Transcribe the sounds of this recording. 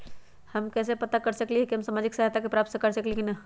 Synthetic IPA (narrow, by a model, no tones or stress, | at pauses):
hɐmkɛːs̬epɐt̪akɐɾsɐkliɦekiɦɐmsaːmaːd͡ʒɪksɐɦat̪akepɾaːp̚t̪sekɐɾsɐklikinɐ